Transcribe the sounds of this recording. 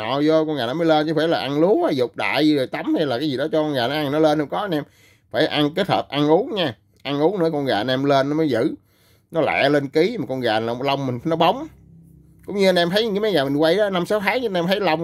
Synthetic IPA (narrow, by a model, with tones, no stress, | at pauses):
ɔ̰˧˨zɔ˧kɔ˧nɣaː˨˩nɔ˨˦mːə˨˦le˧nt͡ɕɨ˨˦faː˧˩jlaː˨˩ʔa˧ŋlu˨˦ənʔaː˨˩jzʊ˨˩k͡p̚ɗa̰ː˧˨jzɨ˧zo˨˩jt̪a˨˦mt̪ʰə˧jlaː˨˩kaː˨˦jzi˨˩ɗɔ˨˦t͡ɕɔ˧kɔ˧nɣaː˨˩na˨˦ʔa˧ŋnɔ˨˦le˧nhŋ͡mkɔ˨˦˧nʔɛ˧m | faː˧˩jʔa˧ŋke˦˥t̚hʰə̰ː˨˩ʔa˧ŋʔu˨˦nɲaː˧ | ʔa˧ŋʔu˨˦ŋnɨ̰˧˥ə˦kɔ˧nɣaː˨˩˨nʔɛ˧mle˧nːɔ˨˦məː˨˦jzɨ̰˧˨ | nɔ˨˦lɛ̰˧˩˨le˧nki˨˦maː˨˩kɔ˧nɣaː˨˩naː˨˩˨lə˧wŋ͡mmï˨˩ŋ̟˨˦nɔ˨˦ɓə˨˦wŋ͡m | kʊ̰˧˥˦ŋ͡mɲɨ˧a˧nʔɛ˧mt̪ʰə˨˦jɲː˨˦maː˨˦jɣaː˨˩mi˨˩ŋ̟kwa˧jɗɔ˨˦na˧msaː˨˦wt̪ʰaː˨˦ŋ˧nʔɛ˧mt̪ʰə˨˦lə˧wŋ͡m